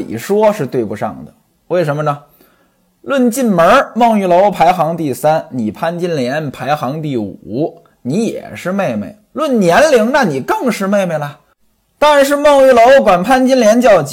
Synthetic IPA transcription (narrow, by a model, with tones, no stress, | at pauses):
ḭ˨˩ʂwɔ˥ʂɻ̩˥˧t̪we˥˩ɪpu˧ʂɑ̰˥˩ŋd̪ə˩ | we˥˩ɪʂə˧˥mə˧nə˧ | lwə˥˧nt͡ɕi˥˩nmə˞˧˥mɑ˥˧ŋy˥˩lo˧˥ʊpʰa˧˥ɪxɑ˧˥ŋt̪i˥˩sa˥nni˨˩pʰa˥nt͡ɕi˥nljɛ˧˥npʰa˧˥ɪxɑ˧˥ŋt̪i˥˩u˨˩˨ | ni˧˥jɛ̰˨˩ʂɻ̩˥˧me˥˧ɪmḛ˥˩ɪlwə˥˩nnjɛ˧˥nli˧˥ŋna˥˩ni˨˩kɤ˥˧ŋʂɻ̩˥˧me˥˧ɪme˥˩ɪlə˧˩ | t̪ɑ˥ŋɻa˧˥nʂ̬ɻ̩˥˧mɑ˥˧ŋy˥˩lo˧˥ʊkwa˨˩npʰa˥nt͡ɕi˥nljɛ˧˥nt͡ɕjɑ˥˩ʊt͡ɕ